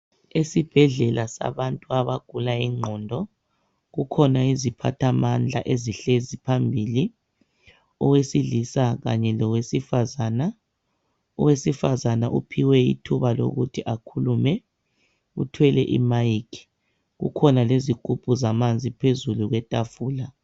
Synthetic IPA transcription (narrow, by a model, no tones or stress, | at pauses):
esib̥ʱɛɮɛlasa̰βantʼuaβaɡ̥ʱulaiŋ͡ǃʱɔndʱɔ | ɣukʰɔnaizipʰa̰tʰamand͡ɮʱa̰ʔeziɬezipʰambʱiːli | ɔwesiɮisaɣa̰ɲɛlɔwesifazaːna | ɔwesifazanaʔṵpʰiwɛḭtʰuβalo̰ɣutʰiʔakʰulumɛ | ṵtʰwɛlɛʔḭmajikʰi̥ | ɣṵkʰɔnaleziɡ̥ʱub̥ʱuzamand͡zʱipʰezuluɣwɛtʼafuːla